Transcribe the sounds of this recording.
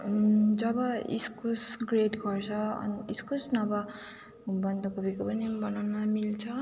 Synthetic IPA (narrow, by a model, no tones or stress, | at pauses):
d͡zʌbʌḭskusɡreʈɡʌrt͡sʰʌʌ̰niiskusnʌbʌ | bʌnd̪ʌkubikopʌnibʌnawnʌmilt͡sʰʌ